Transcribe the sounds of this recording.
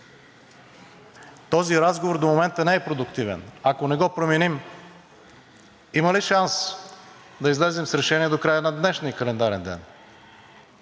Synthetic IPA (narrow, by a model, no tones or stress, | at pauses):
t̪ɔziɾazɡovoɾd̪omomɛnt̪ənɛɛpɾod̪ʊkt̪ivɛ̰nakonɛɡɔpɾomɛnim | iməliʃans | d̪ɐizlɛzɛmsɾɛʃɛniɛd̪okɾajənɐd̪nɛʃniəkɐlɛnd̪aɾɛnd̪ɛ̰n